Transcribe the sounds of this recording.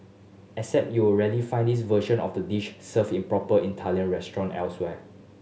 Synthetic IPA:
ɛsɛp̚juɔɹɛdifãɪ̃ndis̬vəʃə̃nɔ̰fdədiʃsəvĩnpɹɔpəʔĩntʰaljə̃nɹɛstɹɔ̃nɛ̰lswɛ

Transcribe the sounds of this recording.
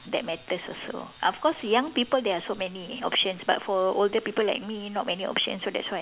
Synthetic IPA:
dɛt̚mɛt̪əsɔ̰so̰ʔɔfkɔsjãŋpipəldɛasomɛniɔ̰pʃə̃nsba̰tfɔoldəpipəla̰ɪk̚minɔt̚mɛniɔ̰pʃə̰̃nsːodɛ̰tswaj

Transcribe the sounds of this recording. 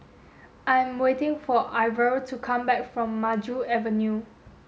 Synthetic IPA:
ʔãɪ̃mwetɪ̃ŋfɔʔaɪvəltʰukʰãmbɛkfɹɔ̃mːad͡ʒuɛvə̃nju

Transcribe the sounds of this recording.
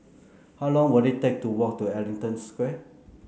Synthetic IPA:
hawlɔ̃ŋwədetɛk̚tuwɔk̚tuɛlĩŋtə̃nskwɛ

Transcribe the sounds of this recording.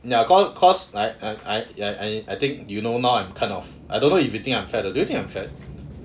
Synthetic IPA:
naəkʰɔskʰɔslaɪaɪaɪajʔaɪajt̪ɪ̃ŋkjunonaʊãj̃mkʰãnɔf | ʔa̰jdõnːoivɹit̪ĩŋãj̃mfɛtodujut̪ĩŋãj̃mfɛt̚

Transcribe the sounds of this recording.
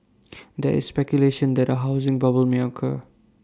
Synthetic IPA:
d̪ɛ̰ʔɪ̰sspɛkjuleʃə̃nd̪ɛtəɦaʊzɪ̃ŋbʌbəlmɔkʰə̰

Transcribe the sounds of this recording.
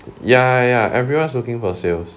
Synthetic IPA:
jajaʔɛvɹiwãnslukɪ̃ŋfɔsels

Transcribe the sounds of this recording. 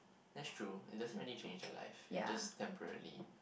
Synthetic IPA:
dɛtstʰɹuɪ̰t̚dɛsɹilit͡ʃẽnd͡ʒə̰la̰ɪfd͡ʒastʰɛ̃mpəɹə̰lḭ

